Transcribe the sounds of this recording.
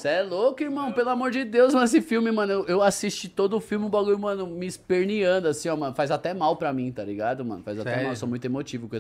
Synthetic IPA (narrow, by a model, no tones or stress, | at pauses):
sɛlokʊiɾmɐ̃w̃pelʊamoɾd͡ʒɪd̪ewzñesɪfiwmɪmɐ̃nʊewʔewasist͡ʃit̪od̪ʊʊfiwmɪũbaɡuiɾmɐ̃nʊmɪːspeɾniɐ̃nd̪ʊasĩɔmɐ̃nʊfajzat̪ɛmawpɾɐmĩt̪aliɡad̪ʊmɐ̰̃nʊfajzat̪ɛmawewsomũj̃t̪emot͡ʃivʊkõe